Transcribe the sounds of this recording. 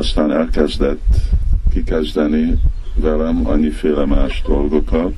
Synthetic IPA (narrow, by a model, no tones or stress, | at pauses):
ɒst̪aːnɛlkɛzd̪ɛt̪ːkikɛzd̪ɛnivɛlɛmɒ̰ɲːifeːlɛmaːʒd̪o̞lɡo̞kɒt̪